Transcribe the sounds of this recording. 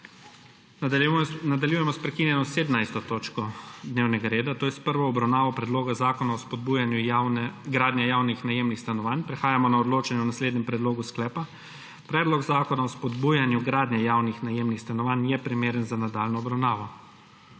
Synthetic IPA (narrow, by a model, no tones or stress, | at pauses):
nad̪aljujɛmɔspɾɛkinjɛnɔseːd̪najst̪ɔt̪oːt͡ʃkɔd̪neːwnɛɡaɾeːd̪at̪oːjɛspəɾʋɔːbɾawnaːʋɔpɾɛd̪loːɡazaːkɔnaɔspɔd̪̚bujanjunɛɡɾaːd̪njɛjaːwnixnajemnixst̪anɔʋanpɾɛxaːjamɔnaɔd̪loːt͡ʃanjɛɔnasleːd̪nʲɲɛmpɾɛd̪loːɡusklɛːpa | pɾɛːd̪lɔɡzaːkɔnaɔspɔd̪buːjanjuɡɾaːd̪nʲɛjaːwnixnajemnixst̪anɔʋanjɛpɾimeːɾənzanad̪aːlnɔɔbɾawnaːʋɔ